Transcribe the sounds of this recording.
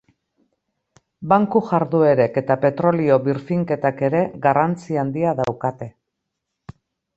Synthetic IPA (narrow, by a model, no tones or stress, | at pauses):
baŋkuʝaɾðue̞ɾe̞ke̞t̪ape̞t̪ɾo̞lio̞βiɾfiŋke̞t̪ake̞ɾe̞ɣarant͡siand̪iaðawkat̪e̞